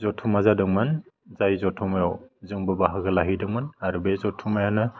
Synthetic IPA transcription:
zɔtʰumazadɯŋmɯn | zajzɔtʰumajɔwzɯŋbɯbaɦɯɡɯlaɦidɯŋmɯnaɾubezɔtʰumajanɯ

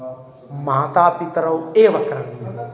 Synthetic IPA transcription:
maːt̪aːpit̪ɾɐweːʋɐkɾɐ

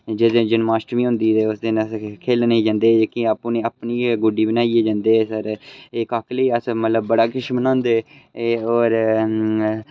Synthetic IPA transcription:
d͡ʒɪd̪ẽːd͡ʒənmaːsʈmiːɦʊ̃nd̪iːt̪eːʊsd̪enəskʰeːlneiːd͡ʒãːnd̪eːd͡ʒekĩːaːpːũːneːəpniːɡʊɖiːbənaːieːd͡ʒãːnd̪eːsəɾekakləiːəsmət̪ləbːəɽaːkɪʃbənãːnd̪eːoːɾ

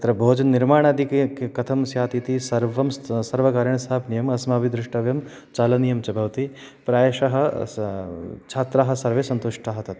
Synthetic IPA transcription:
t̪ɐɾɐbʱoːd͡ʒɐnnːiɾmaːɳɐːd̪ʱikkkɐt̪ʰɐmsjaːt̪it̪isɐɾʋɐmssɐɾʋɐkaːɾjɐɳɐst̪ʰaːpnijɐmɐsmaːbid̪ɾɪʂʈɐʋjɐm | t͡ʃaːlɐnijɐmt͡ʃɐbʱɐʋt̪i | pɾaːjɐʃɐɦɐ | t͡ʃʰaːt̪ɾaːɦɐ̆sɐɾʋesɐnt̪uʂʈʰaːɦɐt̪ɐt̪

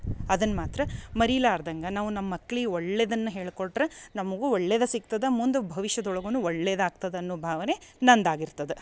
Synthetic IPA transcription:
ɐd̪ɐnːmaːt̪ɾɐmɐɾilaːɾd̪ɐŋɡɐnaːʋunɐmːɐkːɭiɔɭːeːd̪ɐnːɐɦe̞ːɭkoɽɖɾenɐmɐɡuɔɭːeːd̪ɐsik̚t̪ɐd̪ɐmund̪ubʱɐʋiʃjɐd̪ɔɭɐɡɐnuɔɭːeːd̪aːɡ̚t̪ɐd̪ɐɐnːubʱaːʋɐne̞nɐnd̪aːɡiɾt̪ɐd̪e

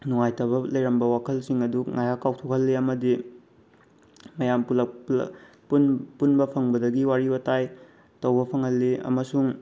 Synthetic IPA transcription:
nuŋajtɐβɐlɐjɾɐmbɐwakʰɐlsiŋɐduŋajakːawtʰokhɐlːiɐmɐdi | mɐjampulɐ | punpunbɐpʰɐŋbɐdɐɡiwaɾibɐtaj | tɐwbɐpʰɐŋhɐlːiɐ̰mɐsuŋ

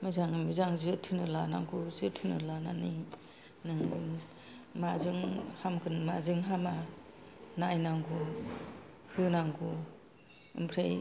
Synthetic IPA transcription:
mɯzaŋmizaŋzɯtʰɯnɯlanaŋkʰuzɯtʰɯnɯlanani | nɯŋ | mazɯŋhamkʰɯnmazɯŋɦama | najnaŋɡu | hɯnaŋɡu | ɯ̰mpʰɾej

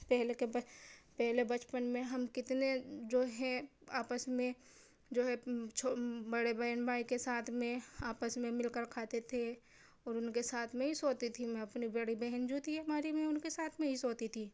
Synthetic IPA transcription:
pɛɦlekepɛɦlebɐt͡ʃpənmẽɦɐmkɪt̪ned͡ʒoːɦɛ̃aːpəsmẽ | d͡ʒoːɦɛt͡ʃʰobɐɽebɛɦənbaːikesaːt̪ʰmẽaːpəsmẽmɪlkəɾkʰaːt̪et̪ʰe | ɔːɾʊnkesaːt̪ʰmẽɦisoːt̪it̪ʰimɛ̃ɐpnibɐɽibɛɦənd͡ʒut̪iɦɐmaːɾimẽʊnkesaːt̪ʰmẽɦisoːt̪it̪ʰiː

